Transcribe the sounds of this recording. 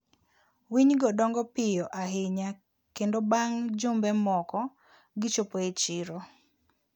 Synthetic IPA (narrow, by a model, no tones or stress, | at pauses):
wiɲɡɔdɔŋɡɔpɪjɔʔaɦeɲa | kendobaŋd͡ʒʊmbɛmɔkɔ | ɡɪt͡ʃopoet͡ʃɪɾo